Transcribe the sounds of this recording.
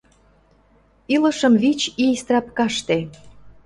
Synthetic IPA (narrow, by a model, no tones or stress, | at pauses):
ilə̆ʃɤ̆mβit͡ɕist̪rɑpkɑʃt̪e